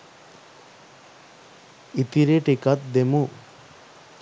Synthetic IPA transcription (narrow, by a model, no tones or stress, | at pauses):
it̪iɾeʈikat̪̚d̪emu